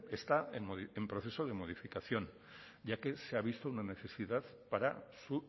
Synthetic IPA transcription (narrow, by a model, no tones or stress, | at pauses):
est̪aenmoðiempɾoθe̞so̞ð̞e̞moð̞ifikaθjo̞n | ɟ͡ʝake̞seaβ̞ist̪ounane̞θe̞sið̞að | paɾasu